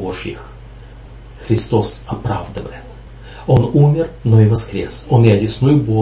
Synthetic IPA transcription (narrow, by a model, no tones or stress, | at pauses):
oʐjɪ̰x | xɾʲɪst̪o̞sɐpɾavd̪ɨvə̰jɪt̪ | onumʲɪrnoɪvɐskɾʲesonjɪɐdʲɪsnujʊbo